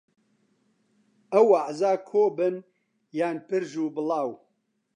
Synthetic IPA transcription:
ɐwaʕzaːkʰoːbɨn | jaːnpɨɾʒuːbɨlɑːw

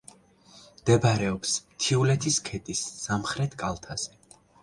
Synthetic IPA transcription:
md̪̥ɛbɾɛɔpsmt̪ʰiulɛt̪ʰiskʰɛt̪ʼisːamχɾɛt̪ʰkʼalˠt̪ʰaz̥ɛ

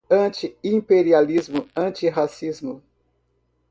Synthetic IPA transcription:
ɐ̃t͡ʃiĩpeɾializmʊɐ̃t͡ʃiɦasizmʊ

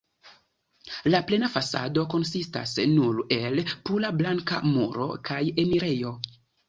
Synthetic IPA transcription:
laple̞nafasa̰do̞ko̞nsista̰snuɾe̞lpulablaŋka̰muɾo̞̰kʰaje̞miɾe̞jo̞

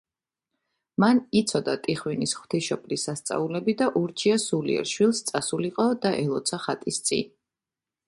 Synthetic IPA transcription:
manit̪sʰɔd̪at̪ʼiχwinisχw̥t̪ʰiʃɔpʰʼlisast̪sʼa̰ulɛbid̪aʔuɾt͡ʃʰiasulḭɛ̰ɾʃwilˠst̪sʼasuliqʼɔd̪aʔɛlˠɔt̪sʰaχat̪ʼist̪sʼḭn

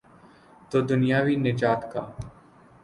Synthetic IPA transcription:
t̪oːd̪ʊnijaːʋiːnɪd͡ʒaːt̪ka̰ː

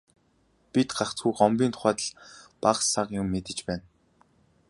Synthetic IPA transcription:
pʲit̪ɢaχt͡sɡujɢɔmpʲiːnt̪ʰʊ̥χæːt̪ə̆ɮpaχsaqjʊmːet̪ɘ̆t͡ɕpæːn

